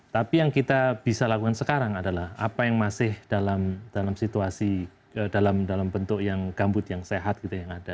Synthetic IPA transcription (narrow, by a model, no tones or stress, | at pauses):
t̪apijaŋkit̪ab̥isalakukansəkaɾaŋadalaha̰pajaŋmasɪhd̥alamd̥alamsit̪uasi | dalamdalambənt̪ʊʔjaŋɡambʊt̪̚jaŋseɦat̪̚kit̪ajaŋada